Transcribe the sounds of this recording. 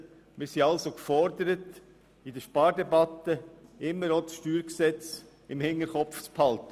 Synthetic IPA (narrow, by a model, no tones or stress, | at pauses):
mɪɾsiɑlsokfɔɾdəɾət | idəʃpɑːɾdɛbɑt̪əɪmːəɾosʃtyːɾksɛt͡s | ɪmhɪŋːəɾχɔpft͡sphɑlt̪ə